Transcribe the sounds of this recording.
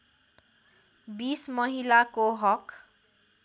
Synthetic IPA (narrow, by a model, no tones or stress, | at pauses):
bismʌɦilakoɦʌk